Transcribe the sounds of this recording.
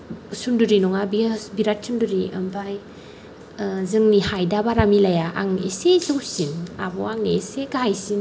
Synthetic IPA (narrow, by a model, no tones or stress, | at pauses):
sunduɾinɔŋabisbiɾat̚sunduɾiɐ̰mpʰaj | zɯŋnihajdabaɾamilajaʔa̰ŋesezɯwsina̰bɔaŋneseɡaajsin